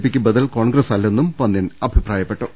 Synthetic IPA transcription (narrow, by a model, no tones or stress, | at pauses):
pːikʲːubɐd̪ɐlkoːɳɡɾɐsɐlːe̞nːumpɐnd̪inɐbʱipraːjɐpːe̞ʈːu